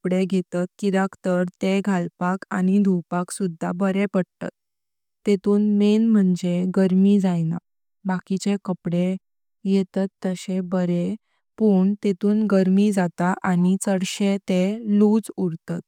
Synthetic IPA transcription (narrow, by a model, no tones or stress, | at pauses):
pɽeɡʱet̪at̪̚kid̪akt̪əɾt̪eɡʱalpaka̰ñid̪ʱuwpaksud̪ʱːa̰bəɾepəɽt̪a̰t̪ː | et̪uːnmenm̤əɳd͡zeɡəɾmid͡zajna̰ | bakit͡ɕekəpɽe | jɛt̪at̪ːəɕebəɾe | puːɳt̪et̪uːnɡəɾmid͡zat̪aʔanit͡səɽɕet̪elud͡zuɽt̪at̪̚